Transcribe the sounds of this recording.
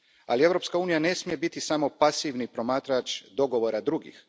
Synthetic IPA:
a̰lie̞ʋɾo̞pskauːnijane̞smije̞bit̪isamo̞pasiʋnipɾo̞maːt̪ɾat͡ʃd̪o̞ɡo̞ʋo̞ɾad̪ɾuɡḭx

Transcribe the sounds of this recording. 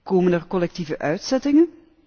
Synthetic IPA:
koːmənərkɔlɛk̚tivəʔœɥtsɛtɪŋən

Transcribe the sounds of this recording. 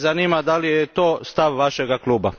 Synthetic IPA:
zanimad̪alijet̪oːst̪aʋʋaʃeɡaklˠuːba

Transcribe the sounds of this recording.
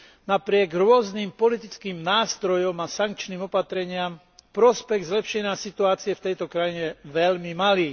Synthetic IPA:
napɾɪɛɡɾʊɔzniːmpɔlit̪it͡skiːmnaːst̪ɾɔjɔmasaŋkt͡ʃniːmɔpat̪ɾɛɲɪam | pɾɔspɛɣzlɛpʃɛɲɪasit̪uaːt͡siɛft̪ɛjt̪ɔkɾajiɲɛʋɛʎmimaliː

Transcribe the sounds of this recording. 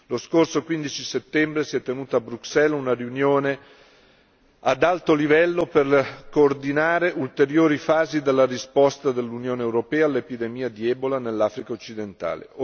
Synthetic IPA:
loskorsokwind̪it͡ʃiset̪ːɛmbɾesiɛt̪ːenuːt̪aːbɾuksɛlunariunjoːne | ad̪alt̪olivɛlːoperkoːrd̪inaːɾeʔult̪eɾjoːɾifaːzid̪elːarispɔst̪ad̪elːunjoːneːwɾopɛːalːepid̪emiːad̪iɛːbolanelːaːfɾikaot͡ʃːid̪ent̪a̰ːlḛo

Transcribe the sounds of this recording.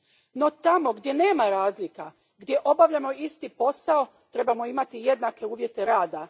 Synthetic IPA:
no̞t̪amo̞ɡd̪je̞ne̞ːmaɾaːzlika | ɡd̪je̞ʔo̞baʋʎamo̞ist̪ipo̞sao̞ | t̪ɾe̞bamo̞imat̪ije̞d̪nake̞uːʋje̞t̪e̞ɾaːd̪a

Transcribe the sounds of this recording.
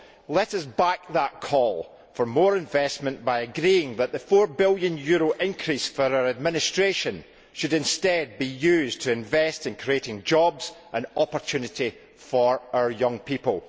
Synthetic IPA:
lˠɛʔʌsbak̚ðəʔkʰɔlˠ | fə˞mɔɹɪ̃ɱvɛsmə̃nb̥aɪəɡɹiɪ̃ŋðəʔðəfɔɹbɪlˠjə̃njʉɹoʔɪ̃nkʰɹ̥isfə˞aə˞əd̚mɪ̃nɪstɹ̥eʃə̃n | ʃɨɾɪ̃nstɛd̚bijʉztʰəɪ̃ɱvɛstɪ̃nkʰɹ̥ieʔɪ̃ŋd͡ʒɔbz̥ʔə̃nɔpə˞t͡ʃʰʉnɪʔi | fə˞aʊə˞jʌ̃ŋpʰipəlˠ

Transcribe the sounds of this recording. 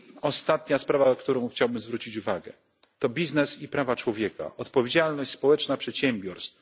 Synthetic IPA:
ɔst̪at̪ɲaspɾavakt̪uɾɔ̃w̃xt͡ɕawbɘmzvɾut͡ɕit͡ɕuvaɡɛ̰ | t̪ɔbʲiznɛsipɾavat͡ʂwɔvʲjɛka̰ʔɔt̪pɔvʲjed͡ʑalnɔɕt͡ɕʲspɔwɛt͡ʂnapʂɛt̪ɕɛmbʲjɔɾst̪f

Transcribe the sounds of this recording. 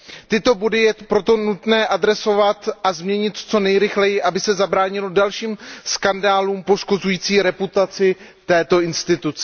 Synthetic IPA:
t̪ɪt̪o̞bodɪjɛpɾo̞t̪o̞nut̪nɛːʔadɾɛso̞vat̪ʔazmɲɛɲɪt̪t͡so̞nɛjɾɪxlɛjɪʔabɪsɛzabɾaːɲɪlo̞dalʃiːmskandaːluːmpo̞ʃko̞zujiːt͡siːɾɛput̪at͡sɪ | t̪ɛːt̪o̞ʔɪnst̪ɪt̪ut͡sɛ

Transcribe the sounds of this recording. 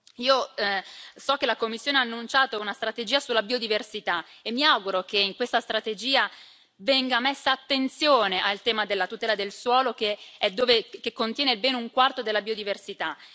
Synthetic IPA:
iːo | sɔkːelakomːisːjoːneaːnːunt͡ʃaːt̪ounast̪ɾat̪ed͡ʒiːasulːabiod̪iversit̪aemːiawɡuɾokeiŋkwest̪ast̪ɾat̪ed͡ʒiːa | vɛŋɡamesːaːt̪ːent̪sjoːneʔalt̪ɛːmad̪elːat̪ut̪ɛːlad̪elswɔːlok̟eɛd̪ːoːvekekːont̪jɛːnelbɛːnuŋkwart̪od̪elːabiːod̪iversit̪a

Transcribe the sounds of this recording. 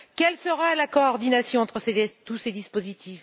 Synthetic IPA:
kʲɛlsəʁalakɔːʁd̪inasjɔ̃ɑ̃t̪χəset̪used̪ispozit̪ʰif

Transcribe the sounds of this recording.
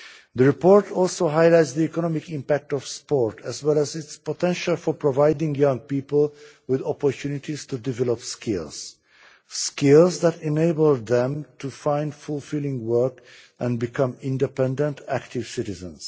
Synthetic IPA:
ðəɹipɔɹtʰɔlˠsoɦaɪlajtsd̪iɛkɔnɔmɪkĩmpæk̚tɔv̥spɔɹtæzwɛlæzɪtspotʰɛ̃nʃalˠfɔpʰɹɔvaɪdɪ̃ŋjʌ̃ŋpiːpəl | wɪðɔpɔɹtʰjunitiztudɪvɛlɔpskʰɪlˠz̥ | skɪlˠzðætɛ̃neɪbəlˠdðɛ̃mtufãɪ̃ndfulfɪlˠɪ̃ŋwɜ˞kʔæ̃nbikʰʌ̃mɪ̃ndɛpɛ̃ndə̃ntʰæktɪv̥sɪtɪzə̰̃ns

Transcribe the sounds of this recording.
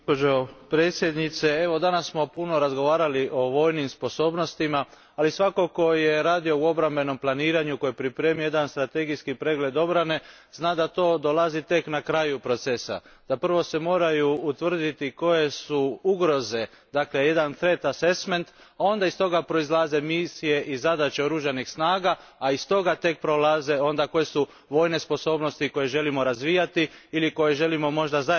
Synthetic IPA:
opod͡ʒopɾe̞ːt̪sje̞d̪nit̪se̞e̞ʋo̞d̪anasːmo̞puno̞ɾazɡo̞ʋaːɾaliʔo̞ʋo̞ːjnimspo̞so̞ːbno̞st̪ima | alisʋako̞ko̞je̞ɾaːd̪io̞uo̞bɾambe̞no̞mplˠaniːɾaɲuko̞jepɾipɾe̞ːmiojed̪anst̪ɾat̪e̞ɡiskipɾe̞ɡle̞d̪o̞bɾane̞ | znaːd̪at̪o̞ːd̪o̞lˠazit̪e̞knakɾaːjupɾo̞t̪se̞sa̰d̪̥apr̩ʋo̞se̞mo̞ːɾajuːt̪ʋr̩d̪it̪iko̞je̞suuɡɾo̞ze̞ | d̪aːkleje̞d̪anθɾe̞t̪ase̞sme̞nt̪ | ao̞nd̪aist̪o̞ɡapɾo̞izlˠaze̞misije̞ʔizad̪at͡ʃeoɾuʒanixsnaːɡaːist̪o̞ɡat̪e̞k̚pɾo̞laze̞o̞nd̪ako̞je̞su | ʋo̞ːjne̞spo̞so̞ːbno̞st̪iko̞je̞ʒe̞limo̞ɾazʋijat̪iiliko̞je̞ʒe̞limo̞mo̞ʒd̪aza

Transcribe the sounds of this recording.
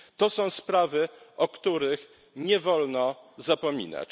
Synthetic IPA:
t̪ɔsɔ̃w̃spɾavɘʔɔkt̪uɾɘx | ɲɛvɔlnɔzapɔmʲḭna̰t͡ɕ

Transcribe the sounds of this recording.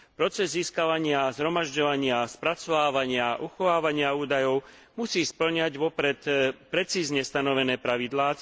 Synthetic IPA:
pɾɔt͡sɛzːiːskaʋaɲɪazɦɾɔmaʒɟɔʋaɲɪaspɾat͡sɔʋaːʋaɲɪaʔuxɔʋaːʋaɲɪauːd̪ajɔʊ | musiːspl̩ɲaɟʋɔpɾɛt̪pɾɛt͡siːzɲɛst̪anɔʋɛnɛːpɾaʋid̪laː

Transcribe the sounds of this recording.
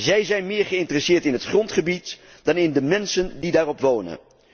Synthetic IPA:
zɛjzɛjnmɪːɹχəɪntərəsɪːɹtɪnɦətχrɔntχəbit | d̥ɑnɪndəmɛnsəndidaːrɔpʋownə̰n

